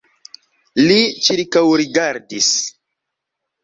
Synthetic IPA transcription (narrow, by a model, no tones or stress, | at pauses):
lit͡ʃiɾkawɾiɡaɾdis